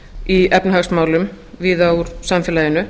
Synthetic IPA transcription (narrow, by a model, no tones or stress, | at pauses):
iɛpnɦaɣsmaːwlʏm | viðauɾ̥samfɛːlaːjɪnʏ